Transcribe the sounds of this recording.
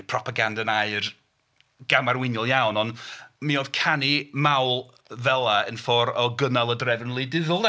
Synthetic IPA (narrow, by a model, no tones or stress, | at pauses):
pʰrɔpʰaɡandanaɨr | ɡ̥amarwɪnjɔlˠjawnɔnmioð̥kʰanimawlˠ | vɛlˠaənfɔɾɔɡənalˠədrɛvənlˠidɪðʊlˠn